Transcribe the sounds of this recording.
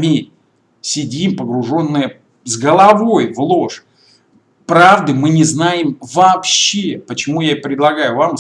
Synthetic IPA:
mʲi | sʲɪdʲimpəɡɾʊʐo̞nːɨjə | zɡəlˠɐvo̞jvlˠoʂ | pɾavd̪ɨmɨnʲɪznajɪmvɐːpɕːepət͡ɕɪmujaɪpɾʲɪd̪lˠɐɡajʊvam

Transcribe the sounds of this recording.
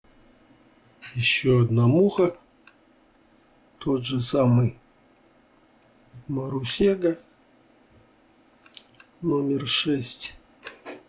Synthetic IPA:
jɪɕːoɐd̪namuxə | t̪ʰot̪ʐɨsamɨj | məɾʊsʲeɡə | nomʲɪrʂɛsʲtʲ

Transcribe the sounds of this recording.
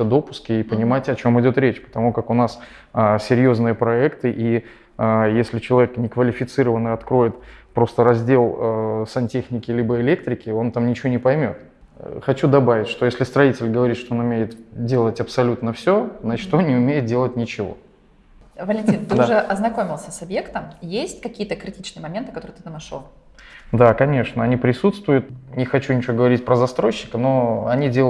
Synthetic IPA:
əd̪o̞pʊ̥skʲɪːpənʲɪmatʲɐt͡ɕo̞mɨdʲo̞t̪ɾʲet͡ɕpə̥t̪ɐmukakʊnas | əsʲɪɾʲjoznɨjəpɾɐɛkt̪ɨʔi | əjesʲlʲɪt͡ɕɪlˠɐvʲeknʲɪkvəlʲɪfʲɪt̪sɨɾəvənɨɐt̪kɾo̞jɪt̪pɾo̞st̪əɾɐzʲdʲe̞lˠəsɐnʲtʲexnʲɪkʲɪlʲibəɪlʲek̚t̪ɾʲɪkʲɪo̞nt̪amnʲɪt͡ɕɪvonʲɪpɐjmʲo̞̰t̪ | xɐt͡ɕud̪ɐbavʲɪtʲʂt̪ojesʲlʲɪst̪ɾɐitʲɪlʲɡəvɐɾʲit̪ʂt̪oonʊmʲejɪt̪dʲe̞lˠətʲɐpsɐlʲut̪nəfsʲonɐt͡ɕt̪onʲɪʊmʲejɪt̪̚dʲe̞lˠət̚ʲnʲɪt͡ɕɪvo̞̰ | vəlʲɪnʲtʲint̪ɨʐɨʔɐznɐkomʲɪlˠsʲəsɐbjekt̪əmjesʲtʲkɐkʲijət̪əkɾʲɪtʲit͡ɕnɨjəmɐmʲent̪ɨkɐt̪oɾɨt̪ɨ̥t̪amʂo | d̪akɐnʲe̞ʂnəɐnʲipɾʲɪsut̪st̪vʊjʊt̪̚nʲɪxɐt͡ɕunʲɪt͡ɕvoɡəvɐɾʲit̚ʲpɾəzɐst̪ɾo̞ɕːɪ̥kəno̞ɐnʲidʲelˠ

